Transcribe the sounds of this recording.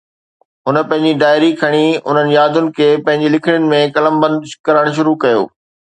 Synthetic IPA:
ɦʊnə̆pɐ̃ɦɪ̃ɲd͡ʑiɖaːɪɾikʰɐɽ̃iʊ̰n̤ənɪ̆jaːd̪ʊnɪ̆kʰeːpɐ̃ɦɪ̃ɲd͡ʑilɪkʰɪɽ̃jʊnɪ̆mẽkɐləmbɐ̃nd̪kɐɾəɽ̃ʃ̬ʊɾukɐjo̰ː

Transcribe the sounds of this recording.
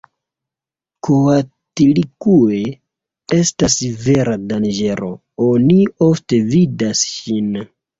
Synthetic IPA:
koa | tilikue̞ | e̞stasve̞ɾadand͡ʒe̞ɾo̞ | onio̞fte̞vidasʃin

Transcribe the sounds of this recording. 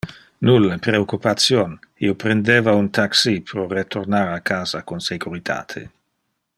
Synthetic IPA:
nulːapɾeokːupat̪sjonḭopɾend̪eːvaunt̪aksipɾoret̪ʰoɾnaɾakaːzakonseɡuɾit̪ʰa̰ːt̪ʰḛ

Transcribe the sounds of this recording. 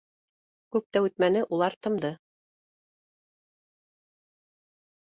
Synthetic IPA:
kʉp̚t̪æʉt̪mænɘʔulˠɑɾt̪ɤ̆md̪ɤ

